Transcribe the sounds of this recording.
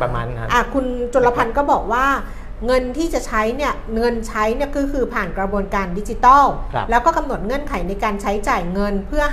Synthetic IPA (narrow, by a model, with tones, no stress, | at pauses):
a˧n˧ʔa˧˩kʰu˧nt͡ɕo˧la˧pʰa˧nkɔː˥˩bɔː˨˩k̚waː˥˩ | ŋɤ˧nt̪ʰiː˥˩t͡ɕa˨˩t͡ɕʰa˦˥jni˥˩ɐŋɤ˧nt͡ɕʰa˦˥jni˥˩ɐkʰɯː˧kʰɯː˧pʰaː˨˩nkɾa˧bu˧ənkaː˧ndi˦˥t͡ɕi˧˦t̪ɔː˥˩˧lɛː˦˥wkɔː˥˩ka˧mno˨˩t̪̚ŋɤ˧˥˩ənkʰa˩˦jna˧jkaː˧nt͡ɕʰa˦˥jt͡ɕaː˨˩jŋɤ˧npʰɯ˥˩ɐ